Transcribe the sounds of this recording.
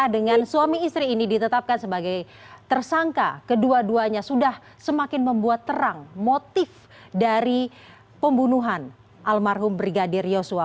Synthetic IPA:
adəŋansuamiːst̪ɾiːnidit̪ət̪ap̚kansəbaɡaj | t̪ərsaŋka̰kəduaduaɲasudah | səmakɪnməmbuat̪ːəɾaŋmot̪ɪf | daɾi | pəmbunuɦan | ʔalmarɦʊmbɾiɡadɪrjosua

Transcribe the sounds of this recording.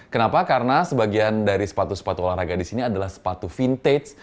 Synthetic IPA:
kənapakaɾənasəbaɡiandaɾisə̥pat̪usə̥pat̪uolaŋɾaɡadisiniadalahsə̥pat̪ufint̪es

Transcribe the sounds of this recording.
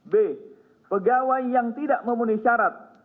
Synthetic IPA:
be | pəɡawajːaŋt̪idaʔməmuniʃaɾat̪̚

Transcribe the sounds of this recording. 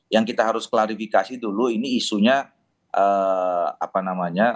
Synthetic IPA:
jaŋkit̪aɦaɾʊsklaɾifikasiduluiniːsuɲa | ʔə | a̰panamaɲa

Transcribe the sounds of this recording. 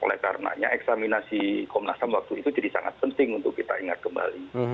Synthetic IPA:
o̰lɛ̰hkaɾəna̰ɲa̰ɛksaminasikɔmnasamwak̚t̪uit̪ud͡ʒadisaŋa̰t̪̚pənt̪ɪŋunt̪ʊkːit̪aiŋat̪̚kəmba̰li

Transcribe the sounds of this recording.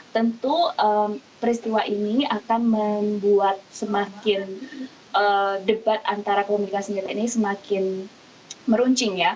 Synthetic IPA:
t̪ənt̪uəmpəɾist̪iwaʔiniakanməmbuat̪̚səmakɪn | ʔədəbat̪ant̪aɾakəkomunikasəɲd͡ʒat̪ainisəmakɪn | məɾuɲt͡ʃɪŋja

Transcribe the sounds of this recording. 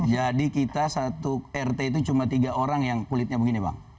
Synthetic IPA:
d͡ʒadikit̪asat̪uɛrt̪eit̪̬ut͡ʃumat̪iɡaoɾaŋjaŋkulɪt̪̚ɲabəɡiniba̰ŋ

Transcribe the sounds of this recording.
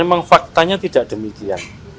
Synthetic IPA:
emaŋfak̚t̪aɲat̪idaʔd̥əmikia̰n

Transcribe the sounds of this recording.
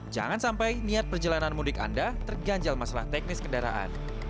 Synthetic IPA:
d͡ʒa̰ŋansampajniat̪̚pərd͡ʒalananmudɪka̰ndat̪ərɡaɲd͡ʒalmasala̰ht̪ɛk̚nɪskəndaɾa̰ʔa̰n

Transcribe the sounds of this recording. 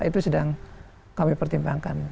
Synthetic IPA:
it̪usədaŋ | kamipərt̪imbaŋkan

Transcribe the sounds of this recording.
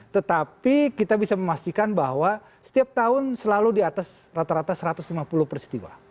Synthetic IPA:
t̪ət̪apikit̪abisaməmast̪ikanbaɦwa | sə̥t̪iap̚t̪aʊnsəlaludiat̪as | rat̪aɾat̪asəɾat̪ʊslimapulʊhpərist̪iwa̰

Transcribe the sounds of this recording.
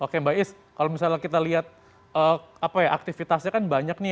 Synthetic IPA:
okembaʔɪs | kalomisalɲakit̪aliɦat̪̚ | əːapajaʔak̚t̪ifit̪asɲakanbaɲak̚ni

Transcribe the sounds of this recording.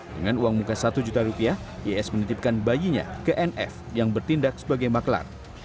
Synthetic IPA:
dəŋanuaŋmukasat̪ud͡ʒut̪aɾupiahjeɛsmənət̪ɪp̚kanbajiɲa̰kəʔɛnʔɛ̰f | jaŋbərt̪indak̚sə̥baɡajmakla̰r

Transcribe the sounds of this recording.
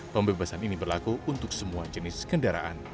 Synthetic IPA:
pəmbebasaninibərlakuunt̪ʊksəmuad͡ʒənɪskəndaɾa̰ʔa̰n

